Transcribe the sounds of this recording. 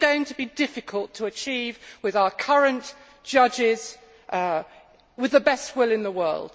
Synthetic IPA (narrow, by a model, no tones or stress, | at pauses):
ɡəʊɪ̃ŋtʰəbidɪfɪkʰəlˠtʰəːt͡ʃʰiːvwɪðaʊəkʰʌɹə̃n | d̥ʒ̥ʌd͡ʒɪz̥ | ʔ | wɪðəbɛst̚wɪlˠɪ̃nðəwɜ̰ːlˠd̥